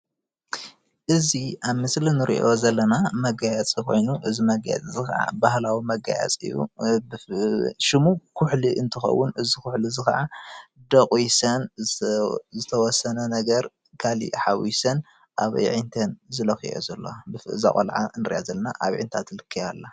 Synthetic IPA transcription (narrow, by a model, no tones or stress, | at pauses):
ʔɨziʔaβmɨslinɨɾiʔo̞zɐlːɐnamɐɡajat͡sʼikʰo̞̰jnuʔɨzimɐɡa̰ja̰t͡sʼizɨxɐ̰ʕa̰bahlawimɐɡa̰ja̰t͡sʼɨ̰jːṵb | ʃɪmukʰuħliʔɨnt̪ʰɨxɐ̰wːʊnɨzikʰʊħlizɨxɐ̰ʕad̪ɐkʼwisɐn | zɨt̪ʰɐwɔsːɐnɐnɐɡɐɾ | kʰalḭħawisɐn | ʔaβ̰ʕɨnt̪ʰɐnzɨlɐxio̰zɐlːo̰bɨfɨʔza̰kʼo̰lʕa̰nɨɾʔazɐlːɐna̰ʔaβʕḭnt̪ʰat̪ʰlɨkʰːɨjalːa